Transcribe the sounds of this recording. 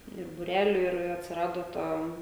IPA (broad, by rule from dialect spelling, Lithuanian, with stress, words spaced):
ɪr bʊˈrʲæːlʲʊ ɪr ɐtʲsʲɪˈrɑːdoː ˈtɐ